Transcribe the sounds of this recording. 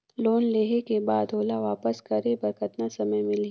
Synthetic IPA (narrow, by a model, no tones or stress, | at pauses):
loːnleːɦekebaːd̪ɦoːlaʋaːpəskɐɾebɐɾkʰɐt̪nasɐməjmɪli